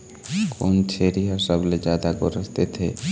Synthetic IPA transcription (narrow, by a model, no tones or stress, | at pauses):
kʰont͡ɕʰeɾiɦasabled͡ʑad̪aɡoɾost̪et̪ʰe